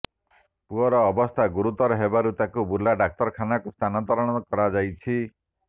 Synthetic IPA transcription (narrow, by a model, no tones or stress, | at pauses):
puɔɾɔːbɔst̪ʰaɡuɾut̪ɔɾɔɦebaɾut̪akubulaɖak̚t̪ɔɾkʰanakust̪ʰanɔnt̪ɔɾɔɽ̃ɔkɔɾad͡ʒajt͡ʃʰi